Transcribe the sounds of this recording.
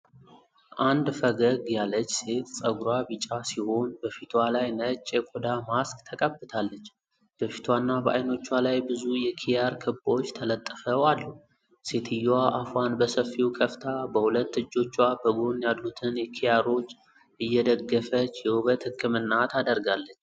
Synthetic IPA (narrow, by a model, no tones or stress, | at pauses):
ʔand̪fəɡəɡjalːət͡ʃːse̞t̪sʼəɡɾabɨt͡ʃʼːasiho̞nbəfit̪ʰwalajnət͡ʃʼːekʷʼod̪amaskʼt̪ʰəkʼəbːɨt̪ʰalːət͡ʃː | b̥əfi̥t̪ʰwanːabəʔajno̞t͡ʃːwalajbɨzujɛkʰijaɾkʰɨbo̞t͡ʃːt̪ʰələt̪ʼːɨfəwalːu | se̞t̪ʰɨjːaʔafanbəsəfːiwkʰəft̪ʰabəhulət̪ːɨd͡ʒːo̞t͡ʃːwabəɡonjad̪ut̪ʰɨnjɛkʰijaɾo̞t͡ʃː | ʔɨjːɛd̪əɡːəfət͡ʃːjɛwɨβət̪hɨkːɨmɨnːat̪ʰad̪əɾɡalːət͡ʃː